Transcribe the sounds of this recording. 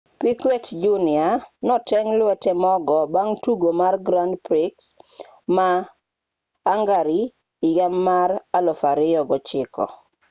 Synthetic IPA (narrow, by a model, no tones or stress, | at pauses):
pikwetd͡ʒunɪanɔtɛŋlwɛtɛmɔɡɔbaŋtuɡomarɡɾandpɾɪks | ma | ŋɡaɾiː | jamːaɾalɔfaɾɪjɔɡɔt͡ʃɪkɔ̰